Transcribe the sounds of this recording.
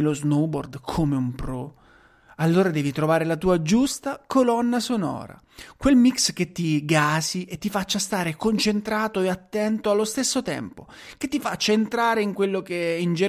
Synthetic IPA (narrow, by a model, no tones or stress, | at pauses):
loznobord̪kʰomeumpɾɔ | alːoːɾad̪ɛːvit̪ɾovaːɾelat̪uːad͡ʒust̪akolɔnːasonɔ̰ːɾa̰ | kwelmiksk̟et̪ːiɡaːsiet̪ːifat͡ʃːast̪aːɾekont͡ʃent̪ɾaːt̪oeat̪ːɛnt̪oalːost̪esːot̪ɛ̰mpo | k̟et̪ːifat͡ʃːaent̪ɾaːɾeiŋkwelːokeind͡ʒe